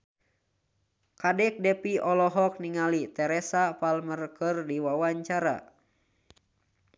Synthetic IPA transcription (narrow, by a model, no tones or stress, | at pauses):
kadɛk̚dɛpiɔlɔɦɔk̚niŋalit̪ɛɾɛsapalmərkɨrdiwawaɲt͡ʃaɾa̰